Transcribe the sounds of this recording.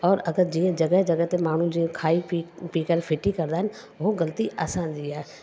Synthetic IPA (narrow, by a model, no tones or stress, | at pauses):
ɔːɾɐɡəɾd͡ʒiːə̃d͡ʒɐɡəɦd͡ʒəɡət̪emaːɳ̤ũd͡ʒĩkʰaːipiːkəɾpʰɪʈikɐɾd̪aːɦɪn | ʋoɡəlt̪iʔaːsãːnd͡ʒiːɛː